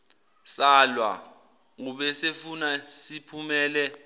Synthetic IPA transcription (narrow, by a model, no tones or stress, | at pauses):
salwa̰ | ŋuɓɛsefunasipʰumɛːlɛ